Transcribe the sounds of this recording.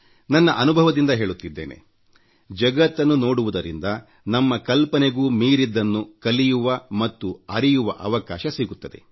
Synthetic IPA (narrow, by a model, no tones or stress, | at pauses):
nɐnːɐʔɐnubʱɐʋɐd̪ind̪ɐɦe̞ːɭut̪ːid̪ːeːne̞̰ | d͡ʒɐɡɐt̪ːɐnːuno̞ːɽuʋud̪ɐɾḭnd̪ɐ | nɐmːɐkɐlpɐneɡuːmiːɾid̪ːɐnːukɐlijuʋɐmɐt̪ːuɐɾijuʋɐʔɐʋɐkaːʃɐsiɡut̪ːɐd̪ḛ